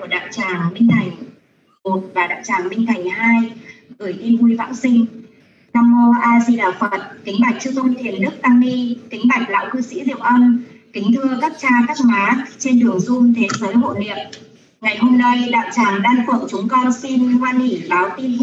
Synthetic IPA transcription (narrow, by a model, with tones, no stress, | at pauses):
u˧˩əɗa̰ː˧˨wt͡ɕaː˨˩ŋmï˧ŋ̟t̪ʰa˨˧˩jŋ̟ | mo˨˩t̚vaː˨˩ɗa̰ː˧˨wt͡ɕaː˨˩ŋmï˧ŋt̪ʰa˨˩jŋ̟haː˧jɣɨ˧˩əjt̪i˧mvu˧jva̰ː˧˥nsï˧ŋ̟ | naː˧mːo˧ʔaː˧zi˧ɗaː˨˩fə˨˩t̚t̪ï˨˦ŋɓa˨˩jk̚t͡ɕɨ˧zə˧ŋ͡mt̪ʰi˨˩ənɗɨ˦˥ək̚ʔaː˧nːi˧t̪ï˨˦ŋ̟ɓa˨˩jk̟̚la̰ː˧˨wkɨ˧sḭ˧˥zḭ˧˨əwʔə˧m | k̪ï˨˦ŋt̪ʰɨ˧əka˦˥p̚t͡ɕaː˧ka˦˥k̚maː˨˦t͡ɕe˧nɗɨ˨˩əŋzʊ˧mt̪ʰe˨˦zəː˨˦jɦo̰˧˨nḭ˨əp̚ | ŋa˨˩jɦo˧mna˧jɗa̰ː˧˨wt͡ɕaː˨˩ŋɗaː˧nfə̰˧˩ŋt͡ɕʊ˨˦ŋ͡mkɔ˧nsi˧nkwaː˧ni˧˩ɓaː˨˦wt̪i˧n